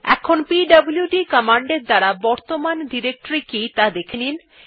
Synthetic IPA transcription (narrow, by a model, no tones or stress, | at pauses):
ɛ̰kʰonpiɖɐbuljuɖikɔmaɳɖeɾd̪aɾabɔɾt̪omanɖiɾek̚ʈoɾikit̪ad̪ekʰenin